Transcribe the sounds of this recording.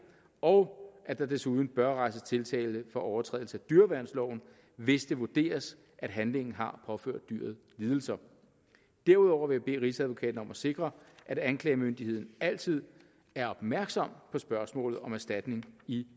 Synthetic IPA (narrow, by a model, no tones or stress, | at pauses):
ɒ̽ʊʔæd̥ɑ̈d̥e̝suð̞ˠn̩b̥ɶɐʁɑ̈ɪsət͡sʰe̝lt͡sʰɛ̰ːlsəfɒ̽ʔɒʊɐt͡sʰʁɛ̰ðˠl̩səæd̥yɐʋæɐnslɒʊn̩ | ʋe̝sd̥e̝ʋud̥e̝̰ːɐs | ʔæd̥ɦænle̝ŋn̩ɦɑ̈pʰɒ̽fø̰ɐ̰d̥̚ːyɐ̰ð̩ˠliːð̞ˠl̩sɐ | d̥æɐuð̞ˠɒʊ̰ɐʋe̝jæb̥e̝̰ːʁisæðˠʋo̝kʰɛ̰ːd̥n̩ɒ̽mæse̝ɡ̥ʁɐʔæɾ̥ænkʰlɛːmønd̥ihe̝ð̰ˠn̩æl̰t͡sʰið̞̰ˠ | æɐɒ̽b̥mæɐɡ̥sɒ̽m̰pʰɒ̽sb̥ɶɐsmɔ̰̽ːlð̞̩ˠɒ̽mæɐsd̥æd̥ne̝ŋi